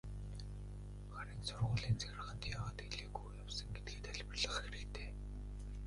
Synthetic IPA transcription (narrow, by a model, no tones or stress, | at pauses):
χaɾiːnsʊrʁʊːɮiːnt͡sʰæɣ̆rə̆χə̆nt̪jaːwaːt̪eɮeːkujjawsə̆ŋɡet̪̚ɡeːt̪ʰæɮʲpə̆rɮə̆χxeɾɘ̆kt̪ʰeː